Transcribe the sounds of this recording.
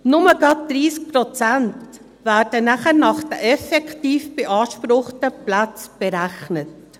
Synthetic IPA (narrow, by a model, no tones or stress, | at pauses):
nʊməɡɑt̚d̥̪ɾiːsk̚pɾɔt͡sænt | væːɾd̥ənæχənɑχd̥əʔɛfɛktiːfb̥eʔɑːʃpɾʊχtəplat͡sb̥ɛɾæxnət̚